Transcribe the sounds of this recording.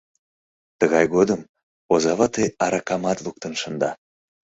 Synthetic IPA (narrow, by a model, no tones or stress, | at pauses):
t̪əɣɑjɣod̪əm | ozɑβɑt̪ejɑɾɑkɑmɑt̪lˠuk̚t̪ənʃə̆nd̪ɑ